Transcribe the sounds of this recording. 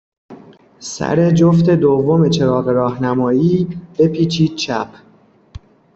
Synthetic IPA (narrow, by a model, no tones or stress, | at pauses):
sæ̰ɾe̞d͡ʒoft̪e̞d̪ovːomet͡ʃʰe̞ɾɒːɣeɾɒːhnæmɒːiːb̥e̞pʰiːt͡ʃʰiːd̪̚t͡ʃʰæpʰ